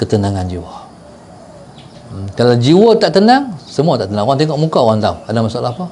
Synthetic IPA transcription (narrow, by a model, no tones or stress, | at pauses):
kət̪ənaŋand͡ʒiwa | kalawd͡ʒiwət̪aʔt̪ənaŋsəmuat̪aʔt̪ənaŋwaŋt̪eŋɔʔmukawant̪a̰wadamasalaapa